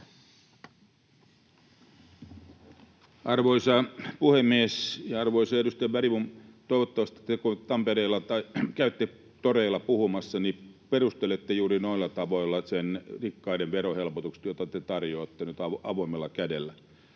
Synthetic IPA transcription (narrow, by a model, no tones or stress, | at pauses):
ʔɑrʋoisɑpuhemːiesjɑɑrʋoisɑedust̪ɑjɑbæɾiʋunt̪oiʋot̪ːɑʋɑst̪ɑ̥t̪ekut̪ɑmpeɾeilːɑt̪ɑkæyt̪ːe | t̪oreilːˑɑpuhumɑsːɑniperust̪elet̪ːejuːɾinoilːɑt̪ɑʋoilːɑsenrikːɑideʋʋeɾohelpot̪ukse̥t̪jot̪ɑt̪et̪ɑrjoːt̪ːenyt̪ɑʔɑ̰ʋoimːelːɑkædelːæ